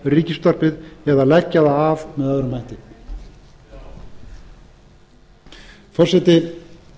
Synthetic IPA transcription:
riːcɪst̪ɔr̥pɪðɛðalɛcːaðaːvmɛðœðɾʏmhajht̪ɪ | fɔr̥sɛt̪ɪ

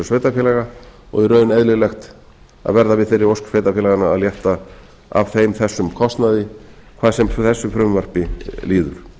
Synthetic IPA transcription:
svejt̪afjɛlɛɣaɔ̰ɣiɾœɥnɛðlɪɣlɛxt̪ | a̰ðvɛɾðavɪðθejɾːɪɾowsksveːjt̪afɛlɛɣana̰ːðljɛht̪a | a̰v̥θejmθɛsːʏmkʰɔst̪naðɪkʰvaːðsɛmθɛsːʏfɾʏmvar̥pɪliːðʏ̰ɾ̥

